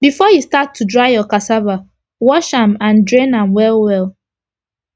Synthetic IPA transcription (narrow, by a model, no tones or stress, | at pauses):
bifɔjistatʰːudɹaɪjɔkasaba | wɔʃãmãndɹẽnãmwɛlwɛlˠ